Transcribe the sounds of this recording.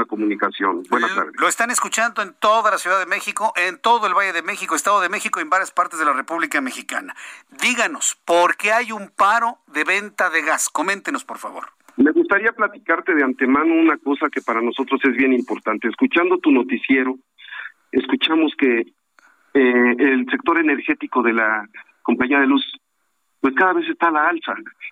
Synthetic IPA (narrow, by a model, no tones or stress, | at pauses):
akomũnikasjonbwenat̪a̰ɾðeloest̪aneskut͡ʃand̪oent̪o̞ðalasjuðaðeme̞xiko̞ʔent̪o̞ðo̞elβaje̞ðemexikoest̪aðoðe̞me̞xikoembaɾjaspaɾt̪ezð̞e̞lare̞puβlikame̞xika̰naðiɣano̞spoɾke̞ajumpaɾo̞ðeβe̞nt̪aðe̞ɣasko̞mẽ̞nt̪eno̞spo̞ɾfa̰βo̞̰ɾ | me̞ɣust̪aɾiaplat̪ikaɾt̪e̞ðeant̪e̞mãno̞unako̞sake̞paɾano̞so̞t̪ɾo̞se̞zβje̞nimpo̞ɾt̪ant̪e̞eːskut͡ʃand̪o̞t̪uno̞t̪isjeɾo̞ | eskut͡ʃamo̞ske̞ | eːlse̞k̚t̪o̞ɾe̞ne̞ɾxe̞t̪iko̞ðe̞la | ko̞mpaɲiaðe̞lus | pwe̞skaðaβe̞s̬e̞st̪alaalsa